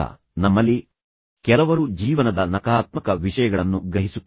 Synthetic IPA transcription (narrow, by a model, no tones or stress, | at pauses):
ɐ̰ | nɐmːɐlːi | kɛlɐʋɐɾud͡ʒiːʋɐnɐd̪ɐnɐkaːt̪mɐkɐʋiʂɐjɐɡɐɭɐnːuɡɾɐɦisu